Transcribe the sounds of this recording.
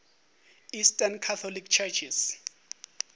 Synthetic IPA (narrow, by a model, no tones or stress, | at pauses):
istʼankʰat̪ʰɔlikt͡ʃʰɛt͡ʃʰis